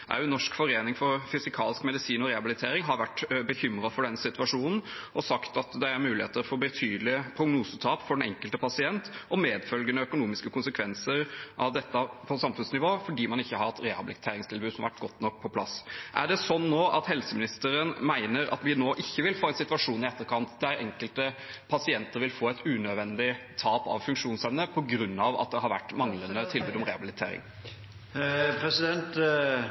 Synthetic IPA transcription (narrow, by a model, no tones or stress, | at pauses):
ʔæ̰nːɔʂkfɔɾeːnɪŋfɔɾfʏsɪkʰɑːlɪskmɛd̪ɪsiːnɔɾɛhɑbɪlɪt̪ʰeːɾɪŋɦɑɾʋæʈːbəçʏmɾɑfɔɖɛnːsɪt̪ʉʋɑʂuːnn̩ʔɔsɑkt̪ɑt̪d̪ɛæɾmʉːlɪheːt̪əɾfɔɾbət̪ʰyːd̪lɪəpʰɾʊɡnuːsət̪ʰɑːpfɔɖɛnɛ̰ŋkəlt̪əpʰɑsɪɛnt̪ɔmeːd̪fœlɡənəœkʊnuːmɪskəkʰʊnsəkʰʋɛnsəɾʔɑʋd̪ɛt̪ːəpʰɔsɑmfʉnsnɪʋoːfɔɖiːmɑnɪçːəhɑɾɛt̪ɾɛhɑ̰bɪlɪt̪ʰeːɾɪŋst̪ʰɪlbʉːd̪sɔmʋæʈːɡɔt̪ːnɔk̚ːpʰɔpʰlɑ̰sʔæ̰ɖɛsɔnːoːʔɑt̪hɛlsəmɪnɪst̪əɾənmæɪnəɾɑ̰t̪ʋɪnoːʔɪçːəʋɪlfoːɛnsɪt̪ʋɑʂuːnɪɛt̪ːəɾkʰɑnt̪d̪æɾɛ̰ŋkəlt̪ə | pʰɑsɪɛnt̪əɾʋɪlfoːɛɪt̪ʉnœd̪ʋɛnd̪ɪt̪ʰɑːpɑ̰ʋfʉŋkʂuːnsɛʋnəpʰɔɡɾʉnːɑʋɑ̰t̪̚d̪ɛɦɑɾʋæ̰ʈːmɑŋlənət̪ʰɪlbʉːd̪ɔmɾɛhɑbɪlɪt̪ʰḛːɾɪ̰ŋ | pʰɾɛsɪd̪ɛnt̪